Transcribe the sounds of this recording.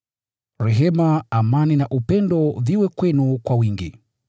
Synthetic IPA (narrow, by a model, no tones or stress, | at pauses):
ɾɛɦɛmaamaninaʔupɛndɔviwɛkwɛnukwawiŋɡi